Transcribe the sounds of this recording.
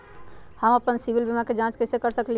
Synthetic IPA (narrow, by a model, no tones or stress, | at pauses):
həməpənsibilbimaked͡ʒãt͡ʃkəɪsekəɾsəkli